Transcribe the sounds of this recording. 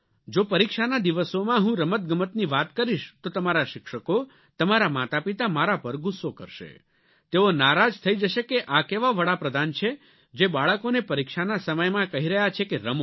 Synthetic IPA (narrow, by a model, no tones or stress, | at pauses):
d͡ʒopəɾikʃanad̪iʋəsomãɦũɾəmət̪̚ɡəmət̪niʋat̪kəɾiʃt̪ot̪əmaɾaʃɪkʃəko | t̪əmaɾamat̪apit̪amaɾapəɾɡʊsːokə̰ɾʃḛ | t̪eonaɾad͡ʒt̪ʰəid͡ʒəʃekeʔakeʋaʋəɽapɾəd̪ʱant͡ʃʰe | d͡ʒebaɭəkonepəɾikʃanasəməjmãkəɦiɾəjat͡ʃʰekeɾəmo